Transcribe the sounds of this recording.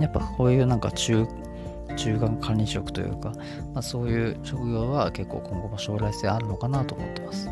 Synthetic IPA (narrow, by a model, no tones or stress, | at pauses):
japːakʰo̞ːjɯ̟ːnãŋka̰t͡ɕɨː | t͡ɕɨːkãŋkʰãɲʲiɕo̞kɯ̟̥t̪o̞jɯ̰ːka | maso̞ːjɯ̟ːɕo̞kɯ̟ɡʲo̞ːβake̞kːo̞̰ːkʰõ̞ŋɡo̞baɕo̞ːɾaist̪eaɾɯ̟no̞kanat̪o̞ːmo̞̰t̪ːe̞masɨ̥